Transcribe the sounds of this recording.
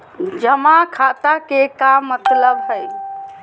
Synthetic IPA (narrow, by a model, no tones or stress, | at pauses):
d͡ʒəmakʰat̪akekamːət̪ləbɦəj